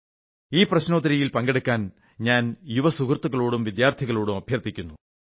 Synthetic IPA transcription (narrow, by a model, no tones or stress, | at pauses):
iːprɐɕno̞ːd̪ɐɾɐjilpɐŋɡeɽukʲːaːn | ɲaːnjuʋɐsukrt̪ːuɣɐɭoːɽumʋid̪jaːrt̪ʰiɣɐɭoːɽumɐbʱjɐrt̪ːikʲːunːu